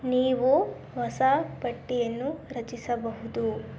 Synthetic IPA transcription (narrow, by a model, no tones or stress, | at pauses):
niːʋu | ʋɐsapɐʈːijɐnːuɾɐt͡ʃisɐbɐɦud̪u